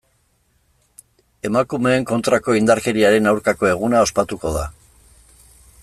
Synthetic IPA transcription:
e̞makume̞ːŋko̞nt̪ɾako̞ind̪aɾke̞ɾiaɾe̞nawɾkako̞e̞ɣ̞unao̞spat̪uko̞ð̞a̰

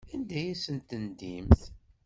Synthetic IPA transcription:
ænd̪æjæsənt̪ənd̪imθ

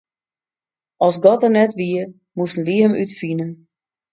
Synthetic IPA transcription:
ɔlˠsɡɔtərnɛtʋiə | mustn̩ʋiɦəmʔytfinən

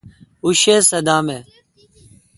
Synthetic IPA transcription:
uʃeːsəd̪aːmeː

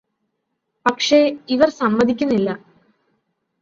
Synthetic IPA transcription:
pɐkʂe̞iʋɐrsɐmːɐd̪ʱikʲːunːilːɐ

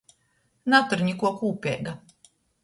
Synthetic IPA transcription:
nat̪uɾɲikuɔkuːpʲɛ̰ːɡa

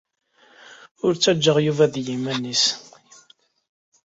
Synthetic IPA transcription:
ʊɾt͡sːæd͡ʒːəʁjuvæðjimænːis

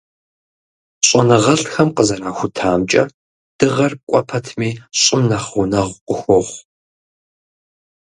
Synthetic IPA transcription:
ɕʼɔnɨʁɐɬxɐmqəzɐnaːxʷʊtʰaːmt͡ʃʼɐ̰ | d̥ɨʁɐrkʷʼɔpʰɐtʰmiːɕʼɪmnɐχʷʊnɐʁʷqʷʊxʷɔʁʷ

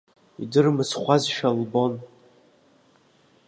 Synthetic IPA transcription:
ḭdɨrmɨsχʷazʃᶣalbo̞n

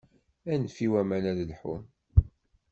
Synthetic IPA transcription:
ænfiwæmænæðlħṵm

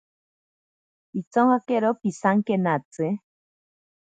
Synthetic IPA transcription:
it͡soŋhakeɾopisaŋkenat͡sɨ

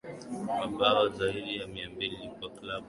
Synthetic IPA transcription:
maɓaɔzaiɗijamiambililikaklaɓ

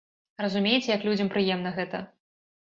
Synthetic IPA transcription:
rɐzumʲejt͡sʲjɐklʲud͡zʲɐmpɾɨjɛmnɐɣɛt̪ɐ

